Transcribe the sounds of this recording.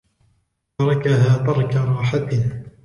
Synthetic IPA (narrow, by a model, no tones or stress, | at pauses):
ɑɾˤɑkaɦaːt̪ˤɑɾˤkaɾˤɑːħat̪ɪ